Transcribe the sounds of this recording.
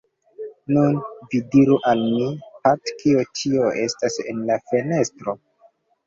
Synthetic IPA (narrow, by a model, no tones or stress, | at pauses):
nunvidiɾuʔalmipatkʰio̞t͡ʃio̞e̞stase̞̰nlafe̞ne̞stɾo̞